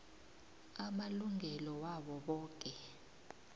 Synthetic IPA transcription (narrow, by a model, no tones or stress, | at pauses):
amaluŋʱɛlɔwaɓɔɓɔːk̬ʼɛ